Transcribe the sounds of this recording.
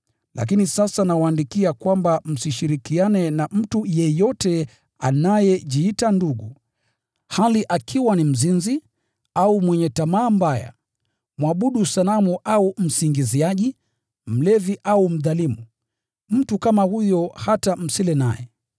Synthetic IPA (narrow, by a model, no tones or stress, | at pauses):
lʔa̰k̬inisasanawaːndikiakwambam̩siʃiɾikianɛnam̩tujɛjɔtɛ | a̰najɛʄiitanduɠu | haliʔakʰiwanim̩zinzi | aumwɛɲɛtamaːmbaja̰ | mwaɓuɗusalamuʔaum̩siŋɡiziaʄi | m̩lɛviʔaum̩ðalimu | m̩tukamahujɔhatam̩silɛnajɛ̰